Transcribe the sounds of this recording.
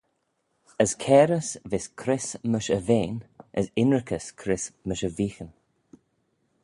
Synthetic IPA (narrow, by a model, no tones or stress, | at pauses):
əskʰɛːɾəsvɪskʰɾɪsməʃəveːnəsɪnɹəkʰəskʰɾɪsməʃəviːxən